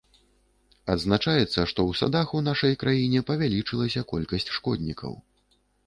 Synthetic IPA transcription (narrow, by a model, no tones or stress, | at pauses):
ɐd̪znat͡ʂajɛt̪sːɐʂt̪ɔwsa̰d̪axunaʂɐjkɾajinʲɛpɐvʲalʲit͡ʂɨlˠɐsʲɐkɔlʲkɐsʲt͡sʲʂkɔd̪ʲnʲikɐ̰w